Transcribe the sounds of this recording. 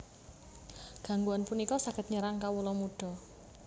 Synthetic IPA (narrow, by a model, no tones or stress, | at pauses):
ɡ̥a̤ŋɡuanpunikɔsaɡət̪̚ɲəɾaŋkawulɔmuɖ̥ɔ̤